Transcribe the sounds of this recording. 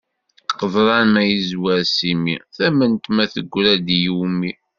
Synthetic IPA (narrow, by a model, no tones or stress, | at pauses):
qəðˤɾˤɑnmæjizwæɾsimḭθæmənt̪mæθə̰ɡʷːɾæd̪jumi